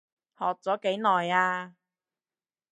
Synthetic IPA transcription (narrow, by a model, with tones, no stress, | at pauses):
hɔː˨k̚t͡sɔː˨˥ke˨˥jnɔː˨˩jaː˧